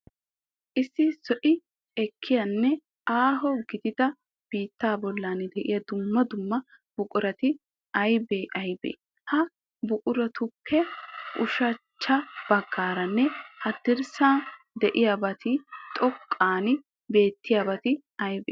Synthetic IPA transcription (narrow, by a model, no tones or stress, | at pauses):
ʔɪsːɪsɔʔɪ | ɛkʰːɪjɐnːɛ | aːɦɔɡɪd̪ɪd̪ɐ | b̥iːt̪ːaːbɔlːaːnɪd̪ɛʔɪjɐd̪ʊmːɐd̪ʊmːɐ | b̥ʊkʼʊɾɐt̪ɪ | ɐjbeːʔɐjbḛː | hɐ | bʊkʼʊɾɐt̪ʊpʰːɛʔʊʃɐt͡ʃːɐb̥ɐɡːaːɾɐnːɛhɐd̪ɪɾsaː | d̪ɛʔɪjabɐt̪ɪt̪ʼɔkʼːaːnɪ | be̞ːt̪ːɪjabɐt̪ɪ | ɐjbeː